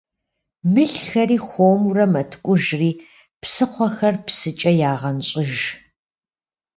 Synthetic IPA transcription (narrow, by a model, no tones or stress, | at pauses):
mɨɬxɐɾiːxʷoːmurɐmɐtʰkʷʼʊʒriː | psɨqʷɔxɐrpsɨt͡ʃʼɐjaːʁɐnɕʼɪʒ